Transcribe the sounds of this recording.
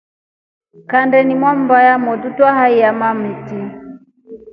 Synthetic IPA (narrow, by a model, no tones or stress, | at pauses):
kandɛnimwam̩bajamɔtutwaɦaiamam̩ti